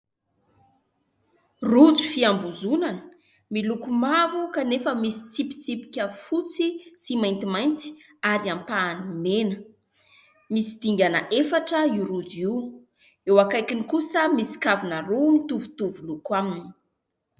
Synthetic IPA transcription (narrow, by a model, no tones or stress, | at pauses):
rud͡zi̥fiambuzunanə̥ | milukumavukanefəmisi̥t͡sipi̥t͡sipi̥kʲəfut͡sisimajnt̪imajnt̪i̥ | aɾiampaːnimenə | misid̪̥iŋɡʲanəʔefaʈ͡ʂəiuɾud͡ziw | ewakajkinikusəmisi̥kavinaɾumit̪uvut̪uvulukwamni̥